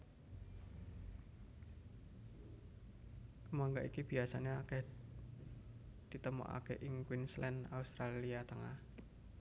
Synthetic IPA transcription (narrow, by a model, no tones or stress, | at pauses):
kəmaŋɡaʔikib̥iasaneakɛh | d̪̥i̤t̪əmɔ̰ʔa̰keʔɪŋkwinslɛnaust̪ɾaliat̪əŋah